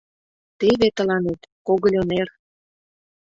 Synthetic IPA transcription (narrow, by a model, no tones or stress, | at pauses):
t̪eβet̪ə̆lɑnet̪koɣə̆lʲoner